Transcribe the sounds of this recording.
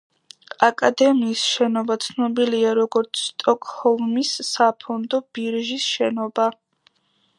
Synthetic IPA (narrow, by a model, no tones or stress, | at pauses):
akʼad̪ɛmiːsʃɛnɔbat̪sʰnɔbiliaɾɔɡɔɾt̪sʰst̪ʼɔkʼhɔlmisːapʰɔnd̪ɔb̥iɾʒisʃɛnɔba